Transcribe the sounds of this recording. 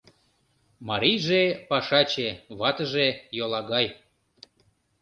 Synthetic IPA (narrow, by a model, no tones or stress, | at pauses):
mɑɾijʒepɑʃɑt͡ɕeβɑt̪əʒejolɑɣɑj